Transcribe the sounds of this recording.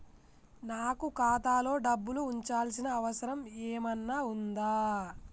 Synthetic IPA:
naːkukaːt̪aːlo̞ːɖɐbːuluːɲt͡ʃaːlsinɐːʋɐsɐɾɐmeːmɐnːaːund̪aː

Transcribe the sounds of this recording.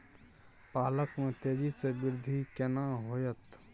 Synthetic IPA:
paːləkmẽt̪eːd͡ʒisebɪɾd̪ʱikenaɦoːjət̪

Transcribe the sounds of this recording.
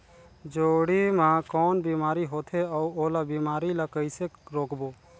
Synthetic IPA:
d͡ʒoːɽimãːkɔːnbiːmaːɾiɦoːt̪ʰeɔːuoːlabiːmaːɾilaːkəɪseɾoːkboː

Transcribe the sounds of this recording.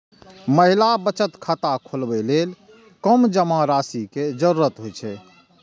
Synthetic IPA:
məɦilabət͡ʃət̪kʰət̪akʰolbelel | kəmd͡ʒəmaɾasiked͡ʒəɾuɾət̪ɦojt͡ʃʰɛ

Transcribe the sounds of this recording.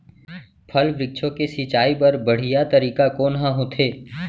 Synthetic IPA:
pʰəlʋɾɪk̚t͡ʃʰõkesɪt͡ʃaːipɐɾbəɽ̤ɪjat̪əɾiːkakoːnɦãɦõt̪ʰeː

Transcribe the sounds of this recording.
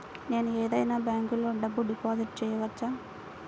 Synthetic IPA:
ne̞ːnueːd̪ɐjnaːbjaːŋkulːoːɖɐbːuɖipoːziʈ̚t͡ʃɛːjɐʋɐt͡ʃːaː

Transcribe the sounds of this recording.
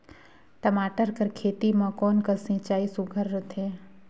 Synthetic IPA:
ʈəmaːʈəɾkəɾkʰeːt̪imãkɔːnkəsɪ̃t͡ʃaːisʊɡʱəɾːət̪ʰeː

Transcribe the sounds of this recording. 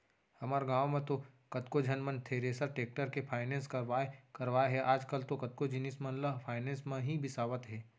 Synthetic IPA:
hɐmaːɾɡãːwmẽt̪okɐt̪kod͡ʒʱɐnmə̃nt̪ʰeːɾeːsəɾʈeːk̚ʈəɾkepʰaːɪnẽːnskɐɾʋaːekɐɾʋaːeɦɛʔaːd͡ʒkəlt̪okɐt̪̚kod͡ʒɪnismɐ̃nləpʰaːɪnẽːnsmẽɦibɪsaːʋət̪ɦɛː

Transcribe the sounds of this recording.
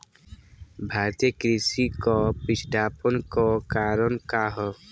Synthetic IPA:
bʱaːɾt̪ekɾisikɔpit͡ʃʰɖ̪ʱaːpɔnkɔkaːɾɔnkaɦɔ

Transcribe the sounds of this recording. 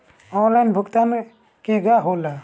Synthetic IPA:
ɔlajnbʱukt̪an | kiɡaɦola

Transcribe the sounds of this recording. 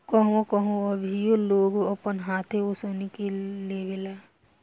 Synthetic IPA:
kəɦõkəɦõəbʱijoloːɡoɐpənɦaːt̪ʰeosonekeliebɪlaː

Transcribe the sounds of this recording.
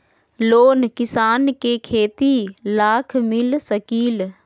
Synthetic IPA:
loːnkɪsaːnkeːkʰeːt̪ilaːkʰmɪlsɐkiːl

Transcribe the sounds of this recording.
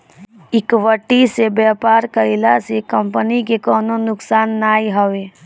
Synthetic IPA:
ɪkʋəʈːisebɛːpaːɾkəɪlasekəmpənikekɔːnonʊksaːnːaːiɦəʋeː

